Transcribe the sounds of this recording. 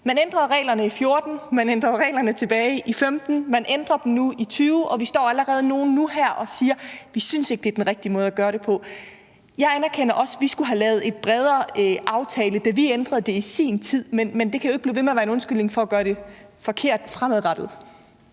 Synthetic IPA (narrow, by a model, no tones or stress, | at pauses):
mænend̥ʁɐðˠʁɛ̰ːlɐnəifjo̝ɐd̥n̩mænend̥ʁɐðˠʁɛ̰ːlɐnət͡sʰe̝b̥ɛːɪʔifemd̥n̩mænʔend̥ʁɐd̥n̩nuit͡sʰyːʊʔɒ̽ʋisd̥ɒ̰ːæləʁɛːð̞̩ˠno̝ːn̩ːuɦæɐ̰ʔɒ̽siːɐʋisynse̝ɡ̥̚d̥e̝æɐd̥enʁɛɡ̥̚d̥imɔ̽ð̞̩ˠæɡ̥ɶːɐɾ̥e̝pʰɒ̽ | jɑ̈ɪænæɐkʰenɐʔɒ̽sʋisɡ̥uɦælɛːʊð̞̩ˠe̝d̥̚b̥ʁɛð̞ˠɐʔɑ̈ʊt͡sʰɛːləd̥æʋiend̥ʁɐðˠd̥e̝isḭːnt͡sʰið̞̰ˠmenmend̥e̝kʰæjoeɡ̥̚b̥iːʋe̝meɐʋæɐenɔ̽nsɡ̥ylne̝ŋfɒ̽ːɡ̥ɶːɐɾ̥e̝fɒ̽kʰe̝ɐ̰d̥fʁamæðˠʁɑd̥ð̞̩ˠ